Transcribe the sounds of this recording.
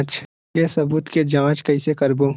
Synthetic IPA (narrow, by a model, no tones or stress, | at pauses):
t͡ʃ | kesɐbuːt̪ked͡ʒãːt͡ʃkɐisekɐɾboː